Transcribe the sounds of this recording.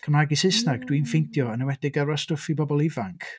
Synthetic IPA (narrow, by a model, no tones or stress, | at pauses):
kʰəmaɡisɪsnaɡdwinfɪjntʰjɔənəwɛdɪɡəɾɔstʊfibɔbɔlˠɪvaŋkʰ